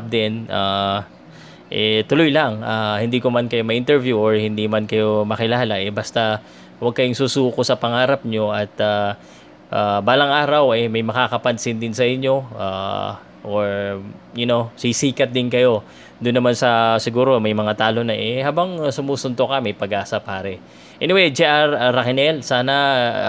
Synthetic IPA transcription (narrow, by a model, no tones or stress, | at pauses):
p̚d̪ɪnʔa | ʔɛt̪ʊlojlɐŋʔahɪnd̪iːkomɐnkɐjomɐʔɪnt̪ɛɹvjuʔoɹhɪnd̪imankɐjo̞mɐkɪlaːlɐʔɛbɐst̪a | wɐɡ̚kɐjoŋsuːsuːkosɐpɐŋaːɾɐp̚ɲo̞ʔɐt̪a | ʔabaːlɐŋaːɾɐwɛmɐjmɐkaːkɐpɐnsɪnd̪ɪnsɐʔɪɲːo̞a̰ | ʔoɹjʊnosisiːkɐt̪̚d̪ɪnkɐjo̞ | d̪ʊnːɐmansɐsɪɡuːɾo̞mɐjmɐŋat̪aːlo̞nɐʔɛhaːbɐŋsʊmuːsʊnd̪okɐmɐjpɐɡʔaːsɐpaːɾɛ | ʔɛnɪwɛjd͡ʒɛʔaɾaɾɐkɪnɛlsaːnɐ